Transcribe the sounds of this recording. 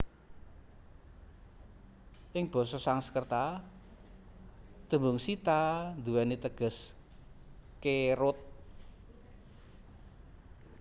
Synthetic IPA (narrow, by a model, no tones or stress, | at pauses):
ʔɪŋb̥ɔ̤sɔsaŋsə̥kərt̪a | d̪̥ə̤mbʊŋsit̪and̪uwɛnet̪əɡ̥ə̤s | keɾʊt̪̚